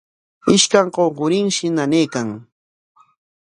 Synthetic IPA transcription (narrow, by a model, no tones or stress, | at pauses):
ɪʃkaŋqoɢʊɾɪŋʃɪnaneːkaŋ